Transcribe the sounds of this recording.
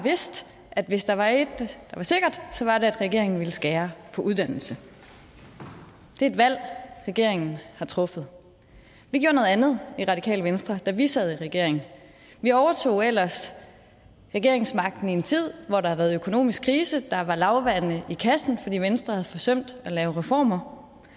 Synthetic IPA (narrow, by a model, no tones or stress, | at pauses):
ʋe̝sd̥ | ʔæd̥ʋe̝sd̥ɑ̈ʋɑ̈e̝d̥d̥ɑ̈ʋɑ̈se̝ɡ̥ɐd̥sɒ̽ʋɑ̈de̝æd̥ʁɛɡ̥e̝ɐ̰e̝ŋn̩ʋiləsɡ̥æːɐpʰɒ̽ʔuð̞ˠd̥æn̰l̩sə | d̥e̝ɐe̝d̥ʋæl̰ʁɛɡ̥e̝ɐ̰eŋn̩hɑ̈t͡sʰʁɔ̽fəð̩ˠ | ʋiɡ̥jo̰ɐnɔ̽ð̩ˠænð̞̩ˠiʁɑ̈d̥ikʰɛ̰ːləʋensd̥ʁɐd̥æʋisɛð̩ˠiʁɛɡ̥e̝̰ɐ̰e̝ŋn̩ | ʋiɒʊɐt͡sʰo̝̰ːel̰ɐs | ʁɛɡ̥e̝ɐe̝ŋsmɑ̈ɡ̥̚d̥n̩ie̝nt͡sʰið̞̰ˠʋɒɾ̥ɑhæʋæːɐð̩ˠøkʰo̝no̝̰ːmisɡ̥̚kʰʁiːsəd̥ɑ̈ʋɑ̈lɑ̈ʊʋænəʔikʰæsn̩fɒd̥ḭːʋensd̥ʁɐhæð̩ˠfɒ̽sœm̰d̥ælɛːʊʁɛfɒ̰ːmɐ